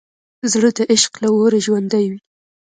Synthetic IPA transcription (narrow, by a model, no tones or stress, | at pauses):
zɽəd̪əʔɪʃqlawoɾaʒwand̪ajwi